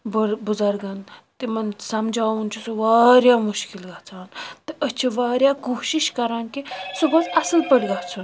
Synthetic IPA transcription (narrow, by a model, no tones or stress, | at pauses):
bəɽbud͡zɐɾɡɐnt̪imɐnsɐmd͡ʒʱaːunt͡ʃʰusoʋaːɾjaːmuʃkilɡat͡sʰaːnt̪ɨʔət͡ʃʰiʋaːɾjaːkoːʃiʃkɐɾaːnkisubɐt͡sɐsəlpəɽiɡat͡sʰun